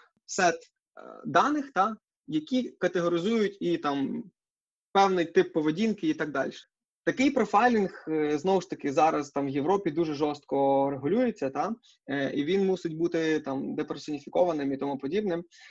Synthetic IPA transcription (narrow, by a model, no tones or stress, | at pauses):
sɛt̪ | d̪ɑnɪxt̪ɑ | jɐkʲikɐt̪eɦɔɾʲɪzujʊtʲit̪ɑm | pɛwnɪjt̪ɪpːɔʋedʲinkɪit̪ɑɡ̚d̪ɑ̰lʲʃɛ̥ | t̪ɐkɪjpɾɔfɑjlʲinxznɔwʊʃt̪ɐkɪzɑɾɐzt̪ɑmwjeʋɾɔpʲid̪uʒɛʒɔst̪̚kɔɾeɦʊlʲujet͡sʲːɐt̪ɑ | iʋʲinmusɪtʲbut̪ɪt̪ɑmd̪epeɾsʲɔnʲifʲikɔʋɐnɪmit̪ɔmupɔdʲibnɪm